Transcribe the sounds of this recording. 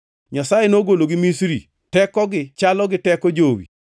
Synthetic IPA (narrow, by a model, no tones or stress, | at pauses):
ɲasajenoɡoloɡɪmisɾḭ | tɛkɔɡɪt͡ʃalɔɡɪtɛkɔd͡ʒowḭ